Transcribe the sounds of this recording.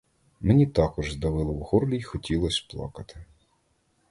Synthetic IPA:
menʲit̪ɑkɔʒzd̪ɐʋɪlˠɪwhurlʲixɔtʲilˠɔsʲplˠɑ̰kɐt̪ɪ̥

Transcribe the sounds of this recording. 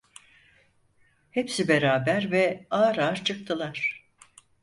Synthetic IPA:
hɛpsibeɾaːbæɾvɛaːɾaːɾt͡ʃʰɯk̚t̪ʰɯlˠaɾ̥

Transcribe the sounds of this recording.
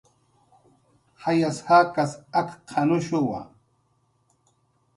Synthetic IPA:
hajashakasakqʰɑnʊʃʊwa̰

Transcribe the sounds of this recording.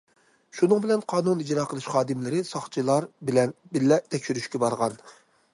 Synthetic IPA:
ʃunɨŋbɪlɛnqʰɑːnunid͡ʒɾɑːqʰəlˠɨʃχɑːd̪ɨmlɪɾɪsɑχt͡ʃʰilˠɑɾbɪlɛnbɪllːɛt̪ʰɛkʲʃyɾyʃkʲɛbɑɾʁɑn

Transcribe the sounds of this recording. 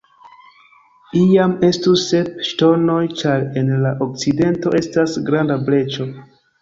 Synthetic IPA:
iame̞stuse̞pʃto̞no̞jt͡ʃaɾe̞nlaʔo̞k̚t͡side̞nto̞ʔe̞stasɡɾandable̞t͡ʃo̞

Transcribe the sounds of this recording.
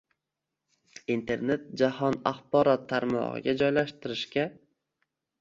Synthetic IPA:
int̪ʰe̞ɾne̞t̪̚d͡ʒahɒna̰χbɒɾɒt̪ʰːaɾmɒ̰ʁɨ̰ɡʲad͡ʒɒjlaʃt̪ɪɾɪʃkʲa

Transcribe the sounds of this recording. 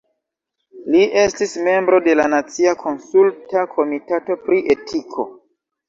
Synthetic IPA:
liʔe̞stisme̞mbɾo̞de̞lanat͡siakʰo̞nsultakʰo̞mitato̞pɾiʔe̞tʰikʰo̞̰

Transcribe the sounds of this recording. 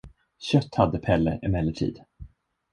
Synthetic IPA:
ɕœt̪ːhad̪ːəpʰɛlːəɛmɛlːəʈʰḭːd̪

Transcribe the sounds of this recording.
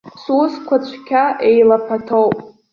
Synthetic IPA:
suskʷʰat͡ɕʷʰkʲʰaʔejlapʰatʰowpʼ

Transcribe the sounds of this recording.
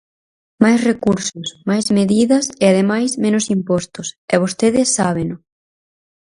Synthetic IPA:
majsrekuɾsʊsmajzmeðiðɐsɪað̞emajsmẽnʊsimpɔst̪ʊsɛβ̞ost̪eðɪsːaβ̞enʊ

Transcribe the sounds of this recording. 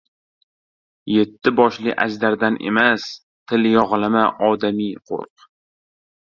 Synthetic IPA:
je̞t̪ʰːɪbɒʃlɪ̰ʔa̰zd̪aɾd̪anʔe̞̰mas | t̪ʰɪljɒʁlˠamaʔɒd̪amijqʰo̰ɾq̚

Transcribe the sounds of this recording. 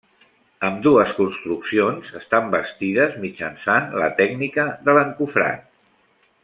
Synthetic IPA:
əmd̪uəskunst̪ɾuksionzəst̪ambəst̪iðəzmid͡ʒənsanlə̰t̪ɛɡnikəðələŋkufɾa̰n

